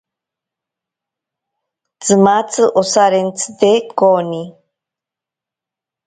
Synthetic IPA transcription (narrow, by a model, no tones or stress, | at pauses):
d͡zɨmat͡sʰɨʔɔsaɾɛnt͡sʰd̪ɛkʼɔni